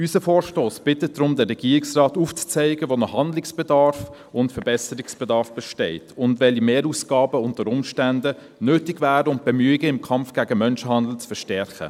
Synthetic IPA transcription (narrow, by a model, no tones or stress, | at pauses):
ysəfɔːɾʃtoːsb̥ɪtət̚dɾʊmdɛrːɛɡ̥iːɾɪksrɑːtuːft͡st͡sɛɪɡəʋonɔhɑndlɪksb̥ɛdɑɾf | ʊntfəɾbɛsəɾɪksb̥ɛdɑɾfb̥ɛʃtɛɪtʰʊndʋɛlimeːɾuːsɡ̥ɑːbəʊntəɾʊmʃtændə | nøːtɪɡvæːɾəʊnt̚b̥ɛmyːɪɡəɪmkʰɑmfɡ̥æɡəmœnʃəhɑndl̩t͡sfəʃtɛɾχə̰